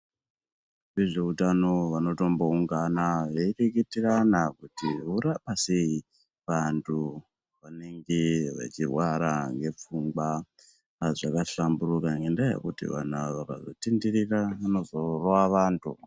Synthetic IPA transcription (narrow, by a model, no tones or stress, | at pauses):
ʋeʐe̞utano̞ʋano̞to̞mbo̞uŋɡanaʋeireketiranakutiɦuɾapasei | ʋantʰu | ʋane̞ŋɡeʋḛt͡ʃirwaɾaŋɡe̞p͡fuŋɡwa | ʐakaɬamburukaŋɡendajḛkutḭʋa̰n̤aʋaka̰zotindiɾiraano̞zo̞rowaʋaːntʰṵ